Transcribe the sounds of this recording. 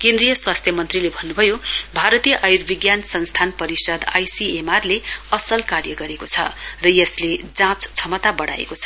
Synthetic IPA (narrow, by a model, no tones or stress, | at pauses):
kend̪rijʌswast̪ʰjʌmʌnt̪rilebʱʌnːubʱʌjobʱaɾʌt̪ijʌʔajurbiɡjansʌnst̪ʰanpʌɾisʌd̪a̰jsiemarleʌsʌlkarjʌɡʌɾekot͡sʰʌ̰rʌjʌsled͡zãt͡st͡sʰʌmʌt̪abʌɽa̰ḛkot͡sʰʌ